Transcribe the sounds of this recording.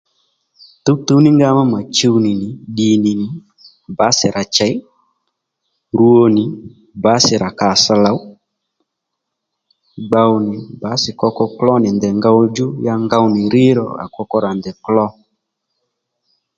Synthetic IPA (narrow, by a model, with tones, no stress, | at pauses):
tu˨˦t̪u˨˦nɪ˦ŋɡa˦ma˦ma˨t͡ʃe˦wnɪ˨nɪ˨ɗi˨nɪ˨nɪ˨ | ba˨˦sɪ˨ɾʔa˨t͡ʃɛ˨˦j | ɾu˦o˧nɪ˨ | ba˨˦sɪ˨ɾa˨ka˨sa˧la˨w | ɡ͡ba˧wnɪ˨ba˨˦sɪ˨kɔ˧kɔ˧klɔ˦nɪ˨ndɛ˨ŋɡa˧˦wd͡ʒʊ˦ja˦ŋɡa˧wnɪ˨ɾɪ˦ɾɔ̰˨a̰˨kɔ˧kɔ˦ɾa˨ndɛ˨klɔ˦